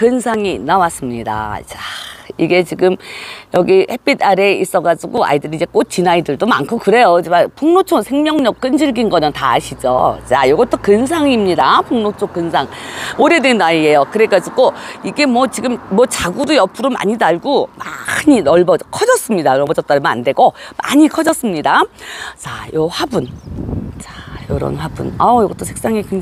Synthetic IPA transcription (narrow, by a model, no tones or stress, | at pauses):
kɯnsʰaŋinːawas͈ɯmɲida̰t͡ɕḁiɡe̞t͡ɕiɡɯmjʌɡihe̞p͈idaɾe̞is͈ʌɡad͡ʑuɡoa̰idɯɾiːd͡ʑe̞k͈ot͡ɕinaidɯɭdoma̰nkʰokɯɾe̞jod͡ʑmapuŋnot͡ɕʰosʰeŋmjʌŋɲʌk̚k͈ɯnd͡ʑiɭɡinɡʌɲʌŋta̰ːɕʰid͡ʑo̰t͡ɕajoɡʌt͈ʰokɯns̬ʰaŋimɲidapuŋnot͡ɕʰokɯnsʰaŋ | oɾe̞dwenaiejokɯɾek͈ad͡ʑiɡoiɡe̞mwʌt͡ɕiɡɯmmwʌt͡ɕaɡudujʌp͈ʰuɾoma̰ɲidaɭɡomaɲinʌɭbʌkʰʌd͡ʑʌs͈ɯmɲidajʌɭbʌd͡ʑʌt̚t͈anɯmʌna̰ndwe̞ɡoma̰ɲikʰʌd͡ʑʌs͈ɯmɲidat͡ɕajoɸwabunt͡ɕajoɾʌ̰nɸwabṵnʌjʌɡʌt͈ʰosʰek̚s͈aŋikɯŋ